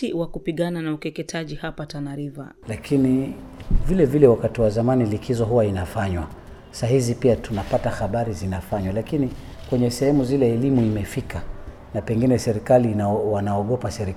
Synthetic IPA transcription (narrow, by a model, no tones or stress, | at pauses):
iwakupiɠananaukɛkɛtʰaʄihapatanaɾiva̰ | lakʰini | vilɛvilɛwakatiwazamanilikʰizɔɦuwainafaɲwa | sahizipiatunapatahaɓaɾizinafaɲwalakini | kwɛɲɛsɛhɛmuzilɛːlimuimɛfika | napɛŋɡinɛsɛɾikaliwanaɔɠɔpasɛɾi